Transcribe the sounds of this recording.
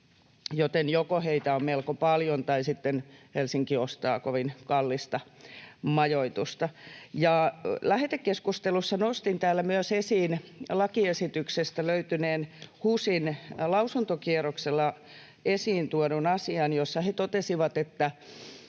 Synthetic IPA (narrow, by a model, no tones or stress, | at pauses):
jot̪enjokoheit̪æommelkopɑljont̪ɑisit̪ːenhelsiŋkiost̪ɑ̰ːkoʋinkɑlːist̪ɑmɑjoit̪ust̪ɑjɑlæhet̪ekkeskust̪elusːɑnost̪int̪æːlːæmyøsesiːnlɑkiesit̪yksest̪æløyt̪yneːnhuːsinlɑusunt̪okierokselːɑ | esiːnt̪uoɾunɑsiɑnjosːɑhet̪ot̪esiʋɑt̪et̪ːæ